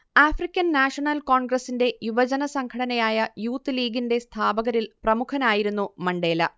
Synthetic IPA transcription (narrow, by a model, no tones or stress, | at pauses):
aːfrikʲːɐnːaːʂɐɳɐlko̞ːɳɡrɐsːinde̞jubɐd͡ʑɐnɐsɐŋkʰɐɽɐnɐjaːjɐjuːt̪ːɨliːɡinde̞st̪ʰaːbɐɣɐɾilprɐmukʰɐnaːjiɾun̪ːumɐɳɖe̞ːlɐ